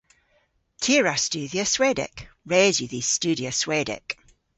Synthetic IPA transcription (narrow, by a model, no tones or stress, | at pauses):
tʰiəɹast͡ʃʉːðiəswɛdɪ̰k | ɹeːzjəðist͡ʃʉːdiəswɛdɪ̰k